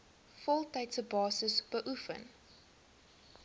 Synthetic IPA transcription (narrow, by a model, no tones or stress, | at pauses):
fɔlˠtɐjtsəbɑːsəsb̥əʔufə̰n